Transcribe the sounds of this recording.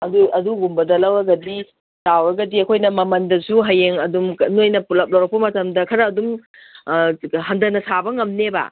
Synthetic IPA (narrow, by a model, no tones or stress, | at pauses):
ɐduɐduɡumbɐdɐlɐwɐɡɐdi | tawɾɐɡɐdiɐkʰojnɐmɐmɐndɐsuɦɐjeŋɐdumnojnɐpulɐp̚lɐwɾɐk̚pɐmɐtɐmdɐkʰɐɾɐːdum | ɦɐndɐnɐsʰabɐŋɐmnebɐ̰